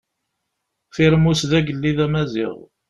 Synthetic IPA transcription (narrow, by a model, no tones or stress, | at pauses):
θɪɾəmusðæɡəlːiðæmæzḭʁ